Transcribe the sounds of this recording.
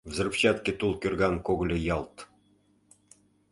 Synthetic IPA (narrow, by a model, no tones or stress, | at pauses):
vzɤ̆rpt͡ɕɑt̪kʲĕt̪ulˠkʲørɣɑnkoɣ̆lʲɤ̆jɑlˠt̪